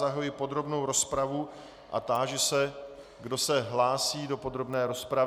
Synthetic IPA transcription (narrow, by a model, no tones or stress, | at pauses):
aɦojɪpo̞d̪ɾo̞bnowɾo̞spɾavu | ʔa̰t̪aːʒɛsɛ | ɡdo̞sɛɦlaːsiːdo̞po̞d̪ɾo̞bnɛːɾo̞spɾa